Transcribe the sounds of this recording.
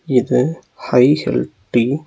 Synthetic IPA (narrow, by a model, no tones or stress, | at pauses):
ɪðɯ | hɐɪhɛ̰lʈːi